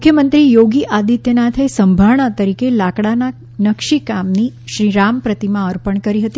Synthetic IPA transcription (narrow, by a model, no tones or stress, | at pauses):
mukʰjəmənt̪ɾijoɡiʔad̪it̪jənat̪ʰesəmbʱaʋɳat̪əɾikelakɽana | nəkʃikamniʃɾiɾampɾət̪imãəɾpəɳkəɾiɦət̪i